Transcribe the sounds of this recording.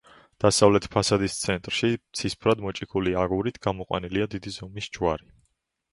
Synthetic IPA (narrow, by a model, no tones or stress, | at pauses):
d̪̥asavlɛt̪ʰpʰasad̪ist̪sʰɛnt̪ʼɾʃit̪sʰispʰɾad̪mɔt͡ʃʼikʰuliaɡuɾit̪ʰɡ̥amɔqʼwa̰niliad̪id̪izɔmisd͡ʒwaɾi